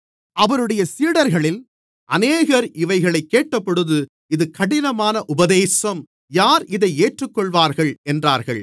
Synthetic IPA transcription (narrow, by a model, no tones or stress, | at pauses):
ɐʋɐɾɯɽɐjɐsiːɽɐɾɣɐɭɪl | ʔɐneːɣɐɾɪʋɐɪɣɐɭɐɪkːeːʈːɐpːɔɽɯðɯ | ɪðɯkɐɽɪnɐmaːnɐʔʊbɐðeːsɐm | jaːɾɪðɐɪeːʈrɯkːɔɭʋaːɾɣɐɭɛndraːɾɣɐ̰ɭ